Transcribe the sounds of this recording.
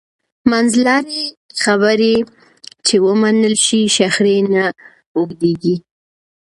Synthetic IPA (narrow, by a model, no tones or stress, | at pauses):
manzlɑɾexaβəɾe | t͡ʃewəmanəlʃiʃaxɾena | uɡd̪eɡi